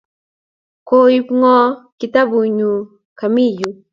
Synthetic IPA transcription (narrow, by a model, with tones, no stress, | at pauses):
koː˦ipŋɔː˦kit̪a˦bu˨ɲu˨ | ka˨mi˦ju˨